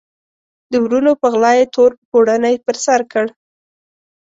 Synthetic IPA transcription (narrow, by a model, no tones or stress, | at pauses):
d̪əwɾunopəɣlɑjet̪ʰoɾpoɽanajpəɾsaɾkəɽ